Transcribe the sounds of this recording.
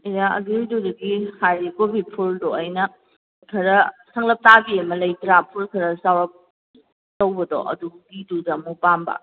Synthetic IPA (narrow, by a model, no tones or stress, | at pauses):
ijaʔɐ̰ɡɾidodɐɡihajɾikobipʰuldɔɐjnɐ | kʰɐɾɐsɐŋlɐp̚tabiɐmɐlɐjtɾapʰulkʰɐɾɐsawɾɐp̚ | towbɐdɔ̰ʔɐ̰duɡidudɐmupambɐ̰